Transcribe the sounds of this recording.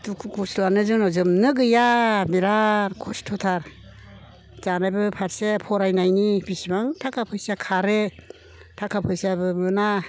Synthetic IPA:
tukʰukʰustuanɯzɯnɔzɯmnɯɡɯjamiɾaɾkʰɔstʰɔtʰaɾ | zanajbɯpʰaɾsepʰɔɾajnajnibisibaŋtʰakʰapʰɯjsakʰaɾe | tʰakʰapʰɯjsabɯmɯna

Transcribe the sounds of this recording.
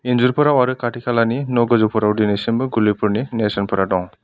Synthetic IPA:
inzuɾpɔɾawaɾɯkaʈʰikʰalaninɔɡɔzupʰɔɾawdinesinbɯɡulipuɾninesɔnpʰɔɾadɔŋ

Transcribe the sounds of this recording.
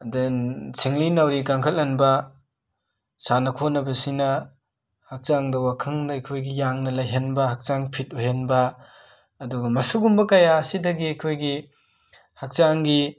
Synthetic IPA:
ɐdensʰiŋlinɐwɾiɡaŋkʰɐlɐnbɐ | sanɐkʰonɐbɐsinɐ | hak̚t͡ʃaŋdɐwakʰɯŋnɐjkʰojɡijaŋnɐlɐjɦenbɐhak̚t͡ʃaŋpʰit̚uɦenbɐː | duɡɐmɐsuɡumbɐkɐjaːsidɐɡiɐjkʰojɡi | hak̚t͡ʃaŋɡi

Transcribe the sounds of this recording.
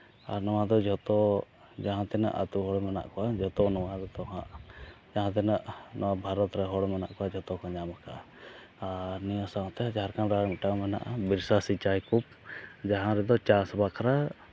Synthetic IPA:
aɾnɔwad̪ɔd͡ʒʱɔt̪ɔ | d͡ʒaɦãt̪ɛna̰ʔa̰t̪uɦɔɽmɛna̰ʔkɔwad͡ʒɔt̪ɔnɔwad̪ɔt̪ɔɦãʔd͡ʒaɦãt̪ɛnaʔnɔwabʱaɾɔt̪ɾɛɦɔɽmɛna̰ʔkɔad͡ʒɔt̪ɔkɔɲamakaʔa | aɾniɔsãt̪ɛad͡ʒɦaɾkanɾamiʈamɛna̰ʔabiɾsasit͡ʃajkup̚ | d͡ʒaɦãɾɛd̪ɔt͡ʃasbakʰɾa

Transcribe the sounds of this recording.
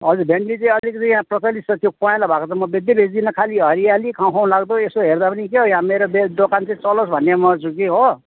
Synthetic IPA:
ɦʌd͡zuɾbʱeɳɖit͡sʌĩʌlikt͡sʌ̃j̃jãprʌt͡sʌlisʌt̪jopɔẽlabʱakot͡sʰʌmːʌbed̪jebʱed͡zd̪inʌkʰaliɦʌɾijalikʰaw̃kʰaw̃laɡd̪oesoɦerd̪apʌnikeɦojãmeɾobed̪okant͡sʌĩt͡sʌlosbʱʌnːemʌt͡sʰuk̬iɦo

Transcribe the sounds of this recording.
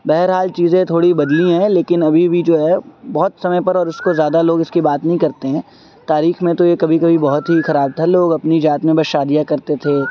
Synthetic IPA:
bɛɦəɾɦaːlt͡ʃiːzẽt̪ʰoːɽibɐd̪lĩɦɛ̃leːkɪnɐbʱibʱid͡ʒoːɦɛbɔɦʊt̪sɐməjpɐɾɔːɾʊskozjaːd̪aloːɡɪskibaːt̪nɐɦĩkɐɾt̪eɦɛ̃ː | t̪aːɾiːxmẽt̪ojekɐbʱikɐbʱibɔɦʊt̪ɦixɐɾaːb̚t̪ʰaloːɡɐpnid͡ʒaːt̪mẽbɐʃaːd̪ijakɐɾt̪et̪ʰe

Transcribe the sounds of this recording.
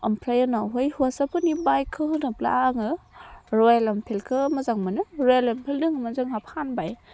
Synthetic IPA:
ɐmpʰɾajɯnawɦojhuasapʰɯnibajkʰɯɦɯnɯpla̰ŋɯɾɔjalɐmpʰelkʰɯmɐzaŋmɯnɯɾɔjelampʰeldɯŋmazɯŋhapʰanbaj

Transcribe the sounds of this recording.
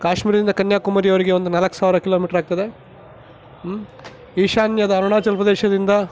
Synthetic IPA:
kaːʃmiːɾɐd̪ind̪ɐkɐnjaːkumɐːɾijɐʋɐɾiɡe̞o̞nd̪unɐlɐksaːʋiɾɐkiloːmiːʈɐɾaːɡ̚t̪ɐd̪e̞ | iːʃaːnjɐd̪ɐːɾuɳaːt͡ʃɐlpɐd̪eːʃɐd̪ind̪ɐ

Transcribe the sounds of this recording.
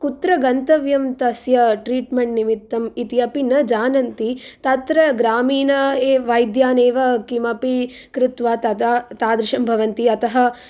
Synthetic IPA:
kut̪ɾɐɡɐnt̪ɐʋjɐmt̪ɐsjɐʈɾiːʈmeɳʈnimit̪ːɐmit̪iɐpinɐd͡ʒaːnɐnt̪it̪ɐt̪ɾɐɡɾaːmiːnɐeːʋɐjd̪jaːneːʋɐkimɐpi | kɾɪt̪ʋaːt̪ɐt̪at̪aːd̪ɾɪʃɐmbʱɐʋɐnt̪iɐt̪ɐɦɐ̆

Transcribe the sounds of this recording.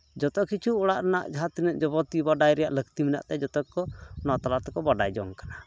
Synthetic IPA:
d͡ʒɔt̪ɔkit͡ʃʰuɔɽaʔɾɛnaʔd͡ʒɦat̪inəʔd͡ʒɔbɔt̪ibaɖajɾɛjaʔləkt̪imina̰ʔt̪ɛd͡ʒɔt̪ɔkːɔnɔt̪alat̪ɛkɔbaɖajd͡ʒɔ̰ŋkḁna

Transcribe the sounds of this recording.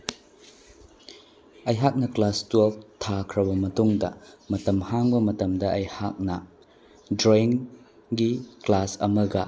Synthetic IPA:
ɐjɦak̚nɐklastuɐl̚tʰakʰɾɐbɐmɐtuŋdɐ̰mɐtɐmhaŋbɐmɐtɐmdɐɐjhak̚nɐ | dɾoiŋ | ɡiklasɐmɐɡɐ

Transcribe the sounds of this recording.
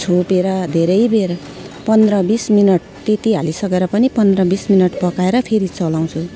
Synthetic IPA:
t͡sʰopeɾʌd̪ʱeɾʌjber | pʌnd̪rʌbisminʌʈ̚t̪et̪iɦalisʌkeɾʌpʌnipʌnd̪rʌbisminʌʈpʌkaeɾʌpʰeɾit͡sʌlaw̃t͡sʰu

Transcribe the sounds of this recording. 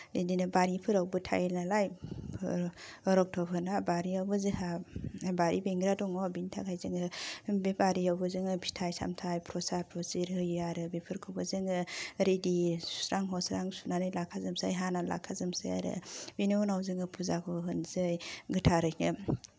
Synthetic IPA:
idinɯbaɾipʰɯɾawbɯtʰa̰jlnalaj | ɔɾɔk̚tʰɔpʰɯnabaɾiawbɯzɯhabaɾibeŋɡɾadɔŋɔbintʰakʰajzɯŋɯbebaɾiawbɯzɯŋɯpʰi̥tʰajsa̰mtʰajpʰɾɔsaɾpʰɾɔsiɾhɯjaɾɯbipʰɯɾkʰɯbɯzɯŋɯɾedi̥sɾaŋɦɔsɾaŋsunanɯjlakʰazɯmsajɦanala̰kʰazɯmsa̰ja̰ɾɯ̰biniunawzɯŋɯpʰuzakʰɔɦɯnzɯjɡɯtʰaɾɯnɯ

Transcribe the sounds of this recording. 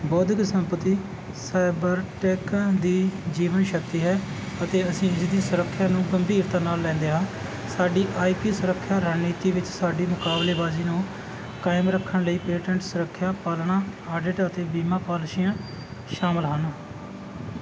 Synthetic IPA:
bɔːd̪ɡsəmpət̪iː | saːɪbəɾʈɛːkd̪iːd͡ʒiːʋənʃək̚t̪iːɦɛː | ət̪eːəsĩːɪsd̪iːsʊɾəkʰːjaːnũːɡəmbiːɾt̪ãːnaːlːɛ̃ːnd̪eːɦãː | saːɖiːʔaːiːpiːsʊɾəkʰːjaːɾaːniːt̪iːʋɪt͡ʃsaːɖiːmʊkaːbleːbaːziːnũː | kaːɪmɾəkʰːəɳləiːpeːʈə̃ɳʈsʊɾəkʰːjaːpaːlɳaːaːɖɪʈət̪eːbiːmãːpaːlʃiːãː | ʃaːməlɦən

